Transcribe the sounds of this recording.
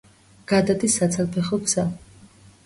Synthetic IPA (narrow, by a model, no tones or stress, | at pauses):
ɡ̥ad̪ad̪isːat̪sʰalpʰɛχɔɡz̥a